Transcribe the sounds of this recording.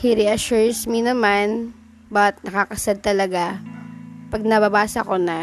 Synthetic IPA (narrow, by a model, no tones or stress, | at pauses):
hɪɾɛʔɐʃuɹsminɐman | bɐt̪̚nɐkakɐsɐd̪̚t̪ɐlɐɡa | pɐɡ̚nɐbɐbaːsɐko̞nɐ